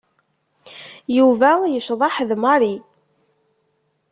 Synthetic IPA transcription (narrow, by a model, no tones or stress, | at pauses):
juvæjəʃðˤɑħðmɑɾi